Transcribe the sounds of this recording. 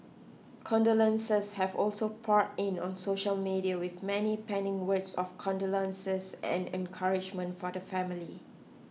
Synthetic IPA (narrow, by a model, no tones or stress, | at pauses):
kʰɔ̃ndolə̃nsəshɛvɔlsopʰɔt̚ɪ̃nɔ̰̃nsoʃəlmiɾiəwɪθmɛnipɛ̃nɪ̃ŋwətsɔfkʰɔ̃ndolə̃nsəsɛ̰̃nɛ̰̃nkʰaɹɪd͡ʒmə̃ntfɔdəfɛ̃mɪli